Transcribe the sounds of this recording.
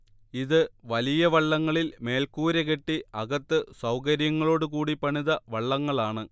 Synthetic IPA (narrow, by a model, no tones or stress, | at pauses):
iðɨʋɐlijɐʋɐɭːɐŋːɐɭilme̞ːlkuːɾeɣe̞ʈːiɐɣɐt̪ːɨsɐwkɐɾjɐŋːɐɭo̞ːɽukuːɽipɐɳiðɐʋɐɭːɐŋːɐɭaːɳɨ